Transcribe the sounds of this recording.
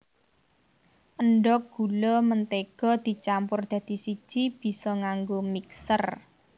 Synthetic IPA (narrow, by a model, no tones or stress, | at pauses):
ʔəɳɖɔk̚ɡ̥ṳlɔmənt̪eɡ̥ɔ̤d̪̥i̤t͡ʃampʊrd̪̥a̤d̪̥i̤si̥ʒ̥ib̥i̤sɔŋaŋɡomiksər